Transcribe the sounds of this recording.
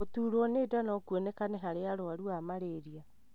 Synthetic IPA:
otuːɾɔneːdanɔkwɔnekanɛɦaɾeaɾoaɾuamaɾeɾia

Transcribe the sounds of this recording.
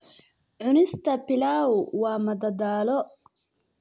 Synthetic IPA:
ʕʊnɪst̪ʰɐpɪlaːʊwɑːmɐd̪ɐd̪aːlɔ

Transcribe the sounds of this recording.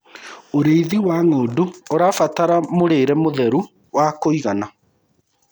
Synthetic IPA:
oɾeiðiwaŋoːduoɾafataɾamoɾeːɾɛmoðɛɾu | wakoiɣana

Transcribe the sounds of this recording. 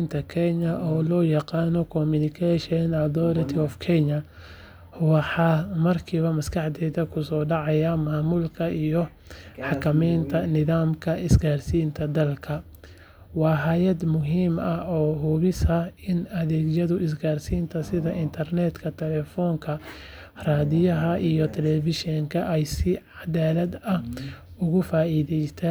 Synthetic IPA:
nt̪ʰɐkʰɛɲɐʔɔːlɔːjɑqɑːnɔkʰɔmʊnɪkʰɛʃɛnɐðɔːɾɐt̪ʰɪɔfkʰɛnɐ | wɑħɑːmɐrkʰiːβɐmɐskʰɑħd̪ɛːðɐkʰʊsɔːɖɑʕɑjamaːmʊlkʰɐʔijɔ | ħɑkʰɐmɛjnt̪ʰɐnɪðaːmkʰɐʔɪsɡaːrsiːnt̪ʰɐd̪ɐlkʰɐ | wɑːɦaːjɐd̪mʊɦiːmɐɔːɦuːβɪsɐɪnɐðɛːɡjɐðʊʔɪs̬ɡaːrsiːnt̪ʰɐsɪðɐʔɪnt̪ʰɐrnɛːd̪kʰɐt̪ʰɛlɛːfɔːŋkʰɐ | raːðɪjɐɦɐʔijɔt̪ʰɛlɛvɪʃɔŋkʰɐʔɛjsɪʕɑd̪aːlɐd̪ɐhʊɣʊfaːiːðɛjt̪ʰɛ

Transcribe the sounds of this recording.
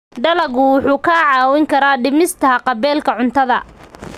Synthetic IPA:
ɖɐlɐɣʊwʊħuːkʰaːʕɑːwɪŋkʰɐɾaːɖɪmɪst̪ʰɐqɑβɛːlkʰɐʕʊnt̪ʰɐðɐ

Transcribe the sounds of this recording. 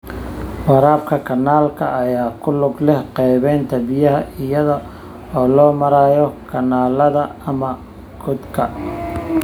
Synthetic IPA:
wɑɾaːbkʰɐkʰɐnːaːlkʰɐɐjaːkʰʊlʊɡlɛhqɛjβɛːnt̪ʰɐbɪjɐɦɐʔɪjɐðɐ | ɔːlɔːmɐɾaːjɔkʰɐnaːlɐðɐɐmɐ | ɡ̥ʊd̪kʰɐ

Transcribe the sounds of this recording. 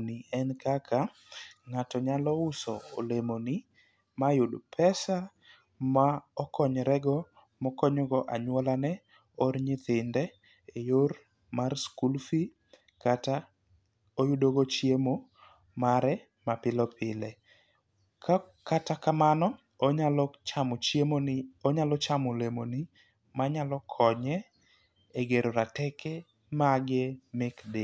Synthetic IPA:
niɛnkakʰa | ŋatɔɲalɔʊsɔolemoni | majʊdpʰɛsa | maɔkɔɲɾɛɡɔ | mɔkɔɲɔɡɔʔaɲwɔlanɛ | ɔɾɲɪt̪ɪndɛ | ejoɾ | marskulfi | kata | ojudoɡot͡ʃjemo | maɾɛ | mapɪlɔpʰɪlɛ | kʰakatakamanɔ | mt͡ʃ | oɲalɔt͡ʃamolemoni | maɲalɔkʰɔɲɛ | eɡeɾoɾatɛkɛ | maɡɪmɪkdɪ

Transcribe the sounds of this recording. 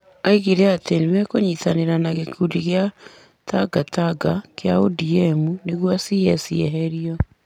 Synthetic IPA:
aiɣeɾeatenemɛkoɲitaneɾanaɣekʰudiɣja | taɡataɡakeaodiɛmuneɣwɔsiɛsiɛ̰ɦɛɾiɔ

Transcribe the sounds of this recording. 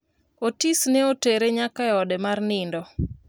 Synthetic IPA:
otisneoteɾeɲakaɛɔdɛmarnɪndɔ

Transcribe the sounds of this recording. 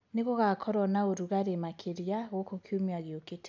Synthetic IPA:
neɣoɣakʰɔɾɔnaoɾuɣaɾemakʰeɾjaɣokokiomiaɣeokete̥

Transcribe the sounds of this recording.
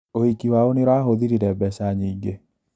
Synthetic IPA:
ohikiwaoneɾwaːɦoðiɾiɾɛbɛʃaɲiːŋɡe

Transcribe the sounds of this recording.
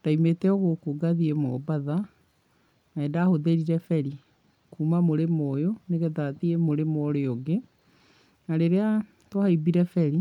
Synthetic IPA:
d̥aimetɛɔɣokoɡaðiemɔbaða | aɛːndahoðeɾiɾɛfɛɾi | kuːmamoɾemɔjoneɣɛðaðiemoɾemɔɾeɔɡe | naɾeɾea | twahaibiɾɛfɛɾi

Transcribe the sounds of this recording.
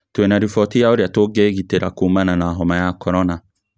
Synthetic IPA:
twenaɾifɔtijaoɾeatoɡeɣiteɾakuːmananaɦɔmajakɔɾɔna

